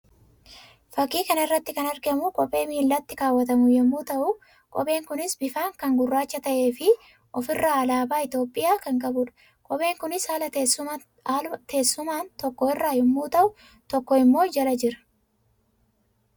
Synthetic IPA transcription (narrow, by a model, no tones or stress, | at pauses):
fɐkːiːkɐnɪrːɐt̪ːɪkɐnɐɾɡɪɐmʊkʼɔpʼːe̞ːmiːlːɐt̪ːɪkaːwːɐt̪ɐmʊjɛmːuːt̪ɐʔʊ | kʼɔbe̞ːŋkʊnɪsbɪfaːŋkɐŋɡʊrːaːt͡ʃːɐt̪ɐʔe̞ːfɪ | ʔɔfɪrːaːlaːbaːɪt̪jo̞ːpʼːɪjaːkɐŋkʼɐbʊᶑɐ̥ | kʼɔbʼe̞ːŋkʊnɪsaːlɐ | t̪e̞ːsːʊmaːnt̪ɔkːɔɪrːaːjɛmːuːt̪ɐʔʊ | t̪ɔkːɔɪmːo̞ːd͡ʒɐlɐd͡ʒɪɾɐ̥